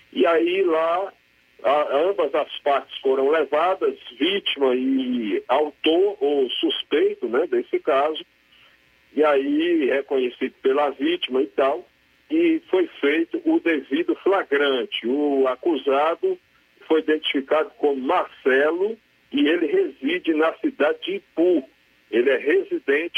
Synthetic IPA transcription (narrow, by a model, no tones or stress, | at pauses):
iaila | ɐ̃bɐzɐspaɾt͡ʃɪ̥sfoɾɐ̃w̃levad̪ɐzvit͡ʃimɐɪawt̪oosuspejt̪ʊnɛd̪esɪkazʊ | iaihekõɲesid̪ʊpelɐvit͡ʃimɐit̪aw | ɪfojfejt̪ʊʔʊd̪evid̪ʊflaɡɾɐ̃t͡ʃɪʊakuzad̪ʊ | fojid̪ẽnt͡ʃ̪i̥fikad̪ʊkõmʊmaɾsɛlʊ | ɪelɪɦezid͡ʒɪnɐsid̪ad͡ʒɪd͡ʒɪpu | elɪɛɦezid̪ẽt͡ʃ